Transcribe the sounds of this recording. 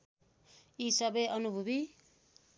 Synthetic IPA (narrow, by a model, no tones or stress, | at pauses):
isʌbeʔʌnubʱubi